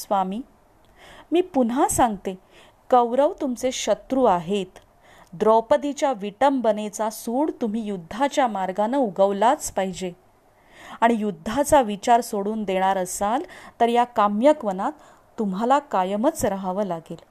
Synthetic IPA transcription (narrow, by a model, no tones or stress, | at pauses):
sʋamiː | miːpunasãŋɡt̪e | kəwɾəʋt̪umt͡seɕət̪ɾuːaɦet̪ | d̪ɾɔpəd̪it͡ɕjaʋiʈəmbənet͡sasuːɽt̪um̤iːjud̪ʱːat͡ɕjamaɾɡanəuɡəʋlat͡spaɦid͡ʑe | aɽ̃ijud̪ʱːat͡saʋit͡ɕaɾsoɽuːnd̪eɽ̃aɾəsalt̪əɾjakamjəkʋənat̪ː | umɦalakajəmət͡sɾəɦaʋəːlaɡel